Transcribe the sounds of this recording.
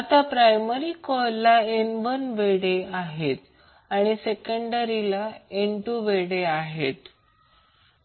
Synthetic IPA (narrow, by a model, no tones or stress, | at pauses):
at̪apɾajməɾikɔllːaenʋənʋeɽeaɦet̪ | aɽ̃isekəɳɖəɾilaeɳʈuʋeɽeaɦet̪